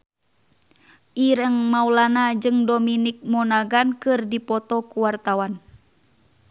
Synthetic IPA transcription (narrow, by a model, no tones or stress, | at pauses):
ʔiɾəŋmaulanad͡ʒɨŋdominik̚mɔnaɡankɨrdipɔt̪ɔkuwart̪awan